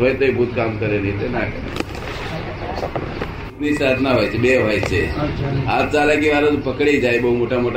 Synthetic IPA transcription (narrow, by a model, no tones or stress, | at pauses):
ʋəjt̪əibʱut̪kamkəɾeniit̪enakəɾ̰ | t̪nisad̪ʱnaʋ̤ʱajt͡ɕebeʋʱajt͡ɕe | at̪̚d͡zalak̬iʋaɾət̪pəkɽeid͡zajbəɦumoʈʰamoʈʰ